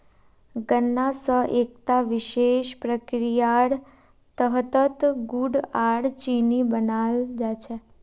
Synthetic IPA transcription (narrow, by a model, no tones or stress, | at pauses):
ɡənːasəʔekt̪aʋɪʃeʃpɾəkɾijaɽ | t̪əɦt̪ət̪ɡuɽaɽt͡ʃinibənald͡ʒat͡ʃʰe